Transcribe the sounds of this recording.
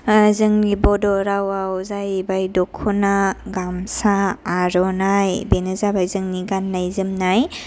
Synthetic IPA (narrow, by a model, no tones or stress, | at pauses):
zɯŋnibɔdɔɾawawzajbajdɔkʰːɔnaɡamsaːɾɔnajbenɯzabajzɯŋniɡanːajzɯmnaj